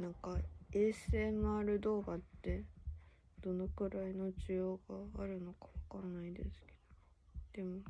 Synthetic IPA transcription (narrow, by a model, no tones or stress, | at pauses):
nãŋkae̞ːsɨenːoaɾɯ̟d̪o̞ːɡat̪ːe̞ | d̪̥o̞no̞kɯ̟ɾaino̞ʑɨjo̞ːɡaːɾɯ̟no̞kḁβakanːaid̪e̞̰sɨ̥ke̥d̪̥od̪̥e̞mo